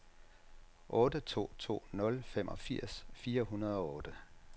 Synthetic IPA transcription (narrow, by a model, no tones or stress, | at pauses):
ʔɔ̽ːdət͡sʰo̝̰ːt͡sʰo̝̰ːnɔ̽lfem̰ʔɒ̽fiɐ̰sfiːɐɦunɐð̞ˠɒ̽ɔ̽ːd̥ə